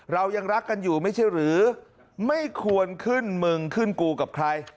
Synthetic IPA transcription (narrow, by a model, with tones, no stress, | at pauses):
ɾa˧wja˧ŋɾa˦˥kːa˧njuː˨˩ma˥˩jt͡ɕʰa˥˩jɾɯː˩˦ | ma˥˩jkʰu˧ənkʰɯ˥˩nmɯ˧ŋkʰɯ˥˩nkuː˧ka˨˩p̚kʰɾa˧j